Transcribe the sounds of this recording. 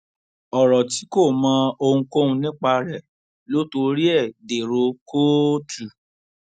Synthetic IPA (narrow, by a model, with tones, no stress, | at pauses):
ɔ˨ɾɔ˨ti˨˦ko˦˨mã˨˦o˧hũ˧ko˦hũ˧nĩ˦k͡pa˧ɾɛ˨ | lo˨˦to˧ɾi˦ɛ˦˨de˨ɾo˨˧ko˦tu˨